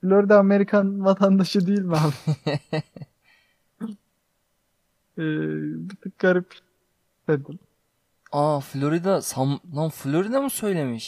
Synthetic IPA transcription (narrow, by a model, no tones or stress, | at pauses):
flʲoɾid̪aːme̞ɾikʰanvat̪ʰand̪aʃɯd̪ijilʲmaːm | ɛːbit̪ʰɯk̚ɡaɾip | ed̪im | aflʲoɾid̪asamnamflʲoɾid̪amusø̞jlʲemiʃ